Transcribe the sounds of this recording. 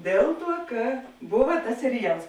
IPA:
ˈdʲeːlˠ ˌtuɔ ˈkɐ ˈbʊʋɐ tɐs sʲɛrʲɪˈjɛlˠs

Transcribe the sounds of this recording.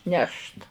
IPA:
ˈnʲɛʃt

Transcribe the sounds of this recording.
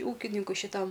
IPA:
ˈuːkʲɪnʲɪŋkʊɪ ʃʲɪˈtɐm

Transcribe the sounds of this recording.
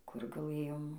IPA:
kʊr ɡɐˈlˠɘjoːm

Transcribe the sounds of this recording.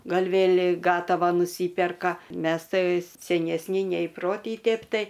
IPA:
ˈɡɐlʲ ˈʋʲeːlʲ ˈɡɑːtɐʋɐ nʊˈsʲiːpʲɛrkɐ ˈmʲɛs ˈtɐɪ sʲɛnʲɛsʲˈnʲɪ nʲɛiːˈproːtʲiː ˈtʲeːp ˈtɐɪ

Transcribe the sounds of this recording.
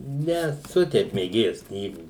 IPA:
nʲɛˈsʊ ˈtʲɛɪp mʲeːˈɡʲeːjɛs ˈknʲiːɡuː

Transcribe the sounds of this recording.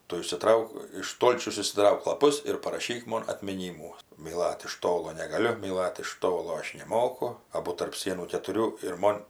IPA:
ˈtʊ ɪʃʲsʲɪˈtrɐʊk ɪʃ ˈstoːlʲt͡ʃʲɛʊs ɪʃʲsʲɪˈtrɐʊk lˠɐˈpʊs ɪr pɐrɐˈʃʲiːk ˈmoːn ɐtʲmʲɪˈnʲiːmuː mʲiːˈlˠɐt ɪʃ ˈtoːlˠoː nʲɛɡɐˈlʲʊ mʲiːˈlˠɐt ɪʃ ˈtoːlˠoː ˈɐʃ nʲɛˈmoːkʊ ˈɑːbʊ tɐrp ˈsʲiɛnuː kʲɛtʊˈrʲuː ɪr ˈmoːn

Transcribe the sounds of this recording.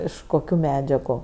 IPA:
ˈɪʃ koːˈkʲuː ˈmʲæːd͡ʒʲɛɡʊ

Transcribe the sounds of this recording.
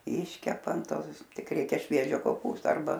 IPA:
ˈɪʃʲkʲɛpɐ ɐn ˈtoːs ˈkʲiɛk ˈrʲɛɪkʲɛ ˈʃʲʋʲiɛʒʲoː koːˈpuːstoː ɐrˈbɐ

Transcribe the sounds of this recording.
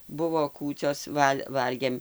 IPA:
ˈbʊʋoː ˈkuːt͡sʲoːs ˈʋɐlʲ ˈʋɐlʲɡʲeːm

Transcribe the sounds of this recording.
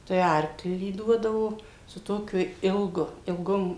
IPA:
tɐɪ ˈɐrklʲiː ˈduɔdɐʋoː sʊ ˈtoːkʲʊ ˈɪlˠɡʊ ɪlˠˈɡoːm

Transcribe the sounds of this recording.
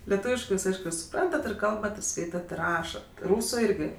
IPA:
lʲɛˈtuːʋʲɪʃkɜ ˈjuːs ˈɐɪʃkʊ sʊˈprɐntɐt ɪr ˈkɐlˠbɐt ɪr ˈskɐɪtɐt ɪr ˈrɑːʃɐt ˈruːsʊ ˈɪrʲɡʲɪ

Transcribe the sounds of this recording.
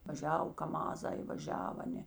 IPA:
ʋɐˈʒʲɛw kɐˈmɑːzɐɪ ʋɐˈʒʲɛw ˈɑːˌnʲeː

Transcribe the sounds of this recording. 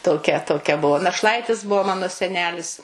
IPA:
toːˈkʲɛ toːˈkʲɛ ˈbʊʋoː nɐʃˈlˠɐɪtʲɪs ˈbʊʋoː ˈmɑːnoː sʲɛˈnʲæːlʲɪs

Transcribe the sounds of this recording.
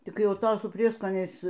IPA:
ˈtʲɪk ˈjɛʊ ˈtoː sʊ ˈpʲrʲiɛskoːnʲɛɪs

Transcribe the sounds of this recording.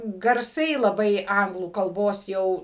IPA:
ɡɐrˈsɐɪ lˠɐˈbɐɪ ˈɐŋɡlˠuː kɐlˠˈboːs ˈjɛʊ

